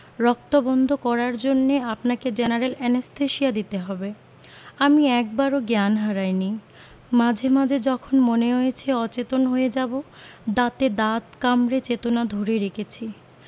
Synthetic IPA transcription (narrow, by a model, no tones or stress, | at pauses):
ɾɔk̚t̪obɔnd̪ʱokɔɾaɾd͡ʑonːeapnaked͡ʑɛnaɾelɛnesʈʰeʃiad̪it̪eɦɔbe | amiɛk̚baɾoɡanɦaɾajni | mad͡ʑʱemad͡ʑʱed͡ʑɔkʰonmoneɦojet͡ɕʰeɔt͡ɕet̪onɦoed͡ʑabo | d̪at̪ed̪at̪kamɾet͡ɕet̪onad̪ʱoɾeɾekʰet͡ɕʰi